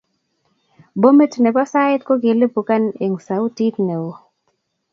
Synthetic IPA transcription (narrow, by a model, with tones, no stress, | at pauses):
bo˦me˦tnɛ˨pɔ˦sa˦ɪ˦t̪̚ko˦ɡe˨le˦pu˨ka˦ne˨ŋsa˨u˦ti˦tne˨wo˨